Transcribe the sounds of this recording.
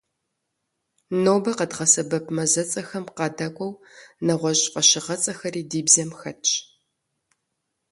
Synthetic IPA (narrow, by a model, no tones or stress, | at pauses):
noːbɐqədʁɐsɐbɐpʰmɐzɐt͡sʼɐxɐmqɑːdɐkʷʼɔwnɐʁʷɔʑfʼɐɕɪʁɐt͡sʼɐxɐriːdiːbzɐmxɐt͡ʃʼ